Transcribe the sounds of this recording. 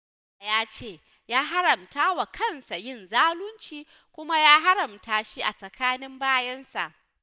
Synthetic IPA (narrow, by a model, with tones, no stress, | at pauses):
a˨jaː˦t͡ʃeː˦˨ | jaː˦ɦa˦ɾɐ˨mtaː˦wa˨kʰɐ˦˨nsa˨jɪ˦˨nzaː˦lʊ˦nt͡ʃiː˦ | kʷʊ˦ma˦jaː˦ɦa˦ɾɐ˨mtaː˨ʃi˦ʔa˨sɐ˨kʰaː˦nɪ˦mbaː˦jɐ˦nsa̰˨ʔ